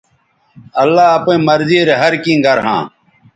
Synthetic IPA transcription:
ɐlːaːɐpẽːməɾziːɾeɦɐɾkĩːɡɐɾɦã̰ː

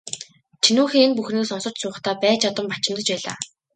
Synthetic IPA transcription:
t͡ɕʰinuːxeːenpuxneːsɔnsɞ̆r̥t͡ɕ̪sʊːχt̪ʰæːpæːt͡ɕʰat̪ə̆mpat͡ɕɪ̆mt̪ə̆t͡ɕpæːɮa̰ː

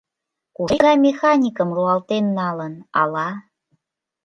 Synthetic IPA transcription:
kueɾɑmʲexɑnʲikəmluɑlt̪enːɑlənɑ̰lɑ

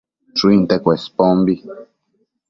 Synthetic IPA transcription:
t͡ʃuint̪ekwespombi

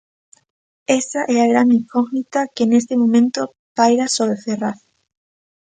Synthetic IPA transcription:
esaʔɛaɣɾand̪iŋkoɣnit̪akenest̪emõmẽnt̪o | pajɾasoβɾeθeraθ

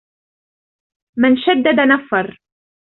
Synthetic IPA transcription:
mɪnʃad̪ːad̪anafːɑɾˤ

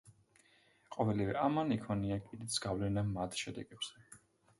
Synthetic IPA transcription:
qʼɔvɛlivɛʔamanikʰɔniakʼid̪it̪sʰɡ̥avlɛnamat̪ʰʃɛd̪ɛɡ̥ɛbz̥ɛ

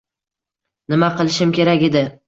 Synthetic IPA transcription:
nɪmaqɨlˠɪʃɪmkʲe̞ɾakʲe̞d̪ɪ

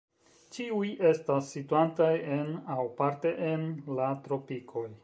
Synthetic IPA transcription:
t͡ʃiuje̞stasːituantaje̞nawpaɾte̞ʔenlatɾo̞pikʰo̞j

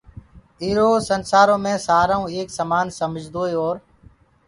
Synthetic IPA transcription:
iːɾoːsənsaːɾõːmẽːsaːɾaːũːeːksəmaːnsəmd͡ʒʱd̪oːeoːɾ

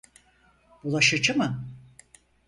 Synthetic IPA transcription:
bulˠaʃɯd͡ʒɯmɯ

